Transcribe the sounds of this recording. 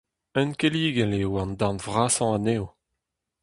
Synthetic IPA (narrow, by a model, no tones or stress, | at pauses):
œnkeliːɡɛleoɑ̃ndanvʁaːsɑ̃anew